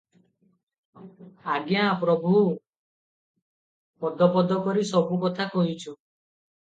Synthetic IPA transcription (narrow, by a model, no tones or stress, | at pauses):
aɡjapɾɔbʱu | pɔd̪ɔpɔd̪ɔkɔɾisɔbʱukɔt̪ʰakɔɦit͡ʃʰu